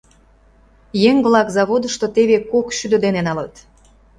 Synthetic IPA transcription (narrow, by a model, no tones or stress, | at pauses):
jeŋβlɑkzɑβod̪əʃt̪ot̪eβekokʃyd̪ə̆d̪enenɑlət̪